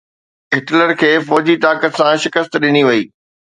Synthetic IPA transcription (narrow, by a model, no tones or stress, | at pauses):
ɪʈləɾkʰeːfɔːd͡ʑit̪aːkət̪sãʃɪkəst̪ɗɪniʋɐiː